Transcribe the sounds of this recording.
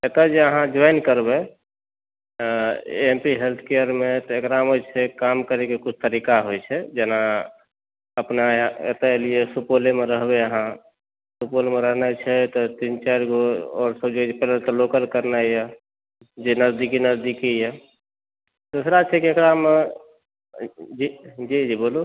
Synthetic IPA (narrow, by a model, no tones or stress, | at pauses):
et̪əd͡ʒeəɦãd͡ʒaɪnkəɾbɛ | empiɦelt̪ʰkejəɾmet̪ɔekɾamot͡ʃʰɛkamkəɾekekut͡ʃʰt̪əɾikaɦojt͡ʃʰɛd͡ʒena | əpnaḛt̪əeliesupolemeɾəɦbeəɦã | supolemeɾəɦnɛt͡ʃʰɛt̪ɔt̪int͡ʃaɾɡoɔːɾsəbd͡ʒopɛləlt̪ɔlokəlkəɾnaja | d͡ʒenəzd̪ikinəzd̪ikijɛ | d̪usɾat͡ʃʰɛkiekɾame | d͡ʒid͡ʒid͡ʒibolo